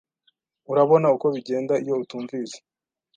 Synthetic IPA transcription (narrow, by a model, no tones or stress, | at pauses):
uɾaβo̞nauko̞βiɟeːndaijo̞utuːɱviːze̥